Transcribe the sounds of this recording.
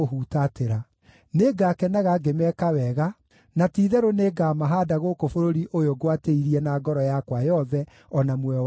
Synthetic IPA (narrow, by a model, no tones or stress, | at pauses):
oɦuːtateɾa | neɡaːkɛnaɣaɡemɛkawɛɣa | natiːðɛɾoneːɡamaɦaːdaɣokofoɾoɾiʔojoɡwateiɾiɛnaːɡɔɾɔjakwajɔðɛ | ɔnamwɛw